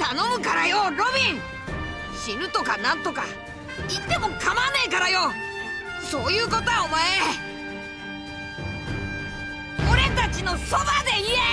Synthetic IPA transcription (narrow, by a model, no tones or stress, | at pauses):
t̪anõ̞mɯ̟kaɾajoɾo̞bʲĩɴ | ɕiɾɯ̟t̪o̞kanãnt̪o̞ka̰ | it̪ːe̞mo̞kamaːneikaɾajo̞ | so̞ːjɯ̟ːko̞t̪oaomae | oɾe̞t̪at͡ɕino̞so̞bad̪e̞ie